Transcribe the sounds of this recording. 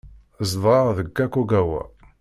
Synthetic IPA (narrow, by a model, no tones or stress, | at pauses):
zðˤɑðəɡːækːuɡæwæ̰